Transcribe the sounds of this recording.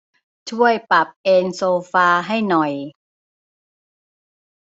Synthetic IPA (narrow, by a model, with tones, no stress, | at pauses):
t͡ɕʰu˥˩əjpa˨˩p̚ʔeː˧nsoː˧faː˧ɦa˥˩jnɔ˨˩j